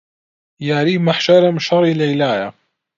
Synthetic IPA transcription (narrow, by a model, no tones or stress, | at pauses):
jaʕɾimaħʃaɾamʃɑɾˤilʕilaja